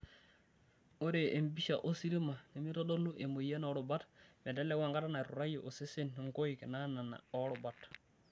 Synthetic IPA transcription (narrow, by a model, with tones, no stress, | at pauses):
o˦ɾe˨ʔe˨mbi˦ʃa˨ʔo˦si˦ɾi˦ma˨ne˨mi˦ɾo˦do˦lu˦ʔe˨mo˨je˦no˦ɾu˨ba˦tme˨de˦le˦wa˨ŋɡa˦ta˦na˨ɾṵ˨ɾa˦jo˨ʔo˨se˦se˦ne˨ŋko˦iki˨nana˨na̰˨o˦ɾu˨bat